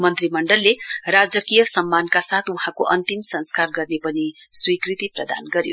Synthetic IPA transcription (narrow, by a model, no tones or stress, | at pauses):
mʌnt̪rimʌɳɖʌlːerad͡zʌkijʌsʌmːankasat̪ʰuɦãkoʔʌnt̪imsʌ̃nskarɡʌrnepʌni | swikrit̪iprʌd̪a̰nɡʌɾjo̰